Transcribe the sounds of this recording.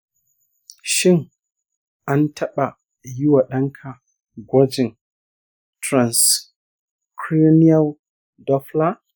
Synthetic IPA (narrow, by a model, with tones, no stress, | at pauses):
ʃɪ˦ŋ | ʔa˦ntʰɐ˦ɓa˨ | ji˦wa˨ɗɐ˦ŋkʰa˨ | ɡʷɔ˦d͡ʒɪ˨n | tɾa˨ns | kɾi˦ni˦a˦l | dɔ˦fla˦